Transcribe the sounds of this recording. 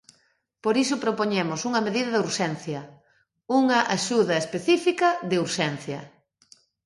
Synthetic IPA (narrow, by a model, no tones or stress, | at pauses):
poɾisʊpɾopoɲemʊsuŋɐmeðiðɐðuɾʃɛn̟θjɐ | uŋɐʔaʃuðɐespeθifikɐðɪuɾʃɛn̟θjɐ